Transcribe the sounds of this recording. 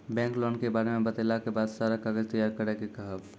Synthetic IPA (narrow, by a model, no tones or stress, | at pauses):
bɛ̃ŋklɔnkebaɾemebət̪əlakebad̪saɾakaɡəd͡ʒt̪əjaɾkəɾɛkekəɦəb